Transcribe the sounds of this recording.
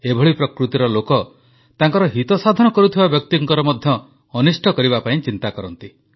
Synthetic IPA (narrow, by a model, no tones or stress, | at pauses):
ebʱɔɭipɾɔkɾut̪iɾɔlokɔ | t̪aŋkɔɾɔɦit̪ɔsad̪ʱɔnɔkɔɾut̪ʰibabjɔk̚t̪iŋkɔɾɔmɔd̪ʱjɔː | nisʈʰɔkɔɾibapaĩt͡ʃint̪akɔɾɔnt̪i